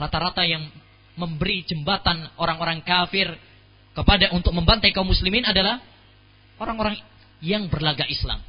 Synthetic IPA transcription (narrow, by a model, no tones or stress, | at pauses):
ɾat̪aɾat̪ajaŋ | məmbəɾid͡ʒəmbat̪anoɾaŋoɾaŋkafɪr | kəpadaʔunt̪ʊk̚məmbant̪ajkaumuslimɪnadalah | oɾaŋoɾaŋ | jaŋbərlaɡaʔisla̰m